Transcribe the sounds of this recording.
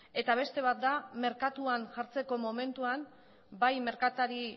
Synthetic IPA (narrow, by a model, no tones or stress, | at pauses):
e̞t̪aβ̞e̞st̪e̞β̞at̪̚d̪ame̞ɾkat̪uanʝaɾt͡se̞ko̞mo̞me̞nt̪uan | bajme̞ɾkat̪aɾi